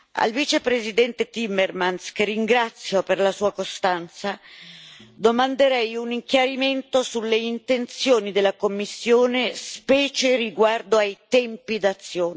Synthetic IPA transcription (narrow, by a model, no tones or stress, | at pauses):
a̰lvit͡ʃepɾezid̪ɛnt̪et̪imːermanskerːiŋɡɾat̪sːjoperlasuːakost̪ant̪sa | d̪omand̪eɾɛjuniŋkjaɾiment̪osulːeint̪ent̪sjoːnid̪elːakomːisːjoːnespɛːt͡ʃeɾiɡward̪oajt̪ɛmpid̪at̪sːjoːn